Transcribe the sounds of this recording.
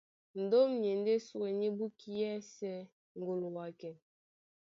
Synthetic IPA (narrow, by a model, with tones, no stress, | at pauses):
n̩˨do˦mɲe˨n˦de˦su˦e˨ɲi˦bu˦ki˦jɛ˦sɛ˦ | ŋ̩˨ɡo˨lo˨wa˨kɛ˨n